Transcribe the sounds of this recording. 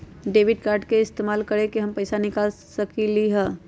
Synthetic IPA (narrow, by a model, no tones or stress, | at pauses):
ɖeːʋɪɖkaːɾɖkeɪst̪eːmaːlkɐɾẽkiɦɐmpɐɪsanɪkaːlsɐkiliɦɛː